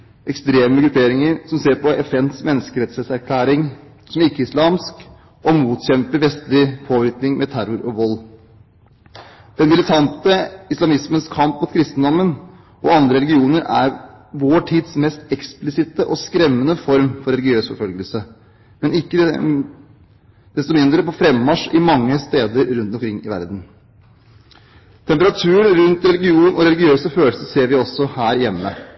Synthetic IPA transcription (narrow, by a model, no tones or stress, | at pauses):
ʔɛkst̪ɾeːməɡɾʉpʰeːɾɪŋəɾsɔmseːɾpɔʔɛfɛnsmɛnːəskəɾɛt̪sɛt̪sæɾkʰlæːɾɪŋ | sɔmɪkːəɪslɑːmsk | ʔɔmuːt̪çɛmpəɾʋɛst̪lɪpʰoːʋɪɾknɪŋmʔɛt̪ʰæɾʊɾɔʋɔlː | d̪̥ɛnmɪlɪt̪ʰɑnt̪əɪslɑmɪsmənskʰɑmpmʊt̪kʰɾɪst̪ənd̪ɔmːən | ʔɔɑnd̪ɾəɾɛlɪɡɪuːnəɾæɾ | ʋoːʈʰiːd̪smɛst̪ɛksplɪsɪt̪əʔɔskɾɛmːənəfɔɾmfɔɾɛlɪɡɪøːsfɔɾfœlɡəlsə | mɛnɪkːə | d̪̥ɛst̪ɔmɪnd̪ɾəpɔfɾɛmːɑʂɪmɑŋːəst̪eːd̪əɾɾʉnt̪ɔmkʰɾɪŋːɪʋæ̰ɾd̪n̩ | t̪ʰɛmpəɾɑt̪ʰʉːənɾʉnt̪ɾɛlɪɡɪuːnʔɔɾɛlɪɡɪøːlːsəføːləsəseːɾʋɪɔsːɔhæːɾjɛmːə